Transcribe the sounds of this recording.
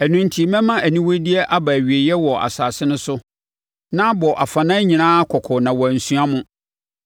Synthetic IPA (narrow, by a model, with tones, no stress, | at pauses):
æ˨nũ˦n˦tʰi˨˦mɛ̃˦mã˦æ˨nĩ˦wɔ˦di˦ɛ˦ʔa˦ba˨æ˨ɥi˨e˨jɛ˦wɔ˨ʔa̰˨saː˨sɪ˦nʊ̃˦sʊ˦ | nã˦bɔ˨ʔa˨fa˨nã˦ɲĩ˨nãː˦kʰɔ˨kʰɔ˨nã˨wɔ˨æ˨n̩˨sũ˦a˦mʊ̃˦